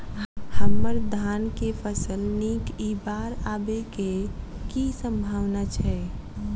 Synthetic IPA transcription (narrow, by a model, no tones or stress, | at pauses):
həmːəɾd̪ʱaːnkepʰəsəlnikibaːɾabekekisə̃mbʱaːwnat͡ʃʰɛː